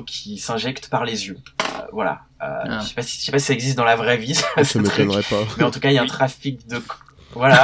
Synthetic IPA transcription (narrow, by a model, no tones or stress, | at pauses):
kʲʰisɛ̃ʒɛkt̪paʁlezjøø̰vwala̰ | ø̰əse̥pasi̥ʃɛpasi̥saɛɡzist̪̚d̪ɑ̃lavʁɛvisssamet̪ɛnʁɛpamɛɑ̃t̪ukailaɛ̃t̪χafik̚d̪ək | vwala